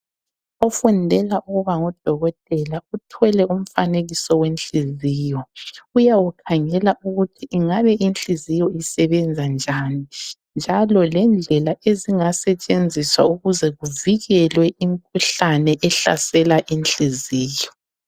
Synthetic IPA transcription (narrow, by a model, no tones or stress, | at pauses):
ɔfundʱɛlaʔuɣuβaŋɔd̥ʱɔɣɔtʼɛlautʰɛlɛum̩faneɣisɔwent͡ɬiziːjɔujawukʰaŋɛlaʔuɣutʰiʔːŋaβɛʔint͡ɬizijɔisɛβɛnd͡zʱand͡ʒʱani | nd͡ʒʱalɔlɛnd͡ɮʱɛlaʔeziŋasɛt͡ʃʼend͡zʱiswauɣuzɛɣuviɣɛlwɛʔimikʰuɬanɛʔɛɬa̰sɛlaʔint͡ɬiziːjɔ